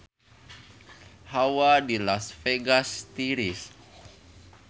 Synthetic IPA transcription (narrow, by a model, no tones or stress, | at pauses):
hawadilasfeɡast̪iɾis